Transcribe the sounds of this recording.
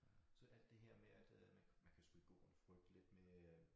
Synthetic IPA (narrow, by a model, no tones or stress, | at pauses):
sɒ̽ʔæl̰d̥ːe̝ɦeɐ̰meæd̥mænmænkʰæselɡ̥ɔ̰ːnfʁœɡ̥̚d̥le̝d̥me